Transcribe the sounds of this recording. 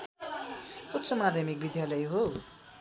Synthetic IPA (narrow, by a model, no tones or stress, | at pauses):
ut̪sʌmad̪ʱʌmik̚bid̪jalʌjɦo